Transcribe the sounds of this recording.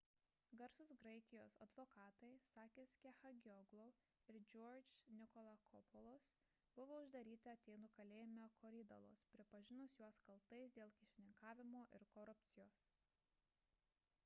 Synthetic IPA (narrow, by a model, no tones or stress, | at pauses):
ɡɐɾsʊsɡɾɐɪkʲɪjoːsɐd̪ʋoːkɑːt̪ɐɪsɑːkʲeːskʲexɐɡʲɔɡlˠoːɪɾd͡ʒʲoːɾʲd͡ʒnʲɪkɔlˠɐkʰɔpɔlˠos | b̥ʊʋoːʊʒd̪ɐɾʲiːt̪ʲɪɐt̪ʲɛɪnukɐlʲeːjɪmʲokʰoːɾʲɪd̪ɐ̰lˠo̰spʲɾʲɪpɐʒʲɪnʊsjuɔskɐlˠt̪ɐɪs̬d̪ʲeːlˠkʲɪʃʲɪnʲɪŋkɑːʋʲɪmoːʔɪɾkɔɾʊpʲt̪sʲɪjoːs